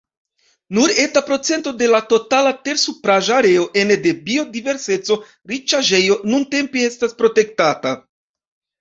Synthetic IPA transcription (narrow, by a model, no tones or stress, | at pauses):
nuɾe̞tapɾo̞t͡se̞nto̞de̞lato̞talate̞ɾsupɾaʒaːɾe̞o̞ʔe̞nde̞bio̞dive̞ɾse̞t͡so̞ | ɾit͡ʃaʒe̞jo̞nunte̞mpie̞staspɾo̞te̞k̚tata